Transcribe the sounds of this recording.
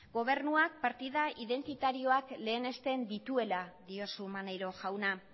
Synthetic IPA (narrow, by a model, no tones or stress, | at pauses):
ɡo̞β̞e̞ɾnuak̚paɾt̪iðaʔiðe̞nt̪it̪aɾio̞akle̞ːne̞st̪e̞nd̪it̪ue̞laðio̞sumanajɾo̞ʝawna